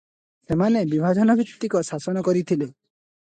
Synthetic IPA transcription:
semanebibʱad͡ʒɔnɔbʱit̪t̪ːikɔsasɔnɔkɔɾit̪ʰile

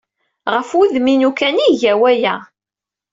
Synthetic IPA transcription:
ʁəfuðminukæniʝæwæjæ

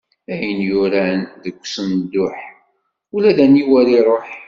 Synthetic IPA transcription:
æjənjʊɾænðəkʷːsənd̪ːʊħ | ulæðæniwæɾiɾˤoħ

